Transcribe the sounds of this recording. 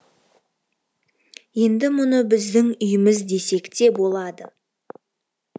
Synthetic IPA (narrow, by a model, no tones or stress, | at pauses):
je̞nd̪ɪmʊnəbɪzd̪ɪŋʏjɪmɪzd̪e̞se̞kt̪e̞bo̞lˠɑd̪ə